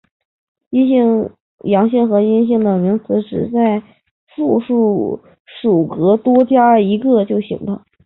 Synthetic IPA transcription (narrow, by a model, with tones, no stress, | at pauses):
i˥ɕi˥˩ŋ | jɑ˧˥ŋɕi˥˩ŋxɤ˧˥i˥nɕ̬i˥˩ŋd̪ə˨˩mi˧˥ŋt͡sʰɹ̩˧˥ʈ͡ʂɻ̩˨˩t͡sa˥˧ɪ | fu˥˧ʂu˥˩ | ʂu˨˩kɤ˧˥t̪wɔ˥t͡ɕja˥i˧˥ɡə˧t͡ɕjo˥˩ʊɕḭ˧˩ŋd̪ə˧